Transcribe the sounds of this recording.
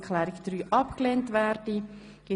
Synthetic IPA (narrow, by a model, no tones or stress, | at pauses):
kʰχlɛːɾɪkd̪̥ɾyːʔɑpkleːntʋɛːɾd̥i | ɡ̥ɪ